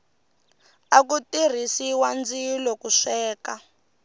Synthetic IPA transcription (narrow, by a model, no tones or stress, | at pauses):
akutir̤isiwand͡zilɔkuʂɛːka